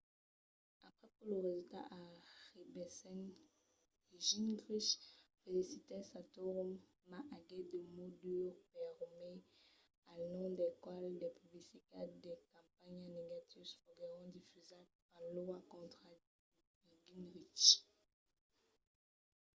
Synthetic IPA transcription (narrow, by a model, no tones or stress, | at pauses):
apχɛpuʁləʁezylt̪a̰ʔaʁibɛsɛŋ | iʒinɡʁiʃfelisit̪ɛsat̪uʁm | maʔaɡɛd̪əmodyʁpɛʁme | anɔ̃d̪ɛkwald̪ɛpyblisikad̪ɛkɑ̃paɲaneɡat̪ʰivsfɔɡɛʁɔ̃d̪ifyza | ãlwakɔ̃t̪χa | iɡinʁit͡ʃ